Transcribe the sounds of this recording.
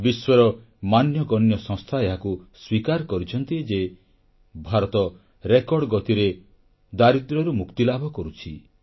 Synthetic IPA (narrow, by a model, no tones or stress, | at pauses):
biswɔɾɔ | manjɔɡɔnjɔsɔ̃ŋst̪ʰaeɦakuswikaɾkɔɾit͡ʃʰɔnt̪id͡ʒe | bʱaɾɔt̪ɔ | ɾekɔɽɔɡɔt̪iɾe | d̪aɾit̪ɾɔɾumukt̪ilabʱɔkɔɾut͡ʃʰḭ